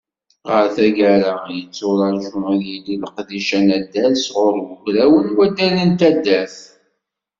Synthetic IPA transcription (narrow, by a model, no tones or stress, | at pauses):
ʁəɾθæʝæɾajət͡sːʊɾˤɑɾʒʊmæðjililqd̪iʃænæd̪ːælsʁʊɾˤɡʊkɾæwənwæd̪ælənt̪æd̪ːæθ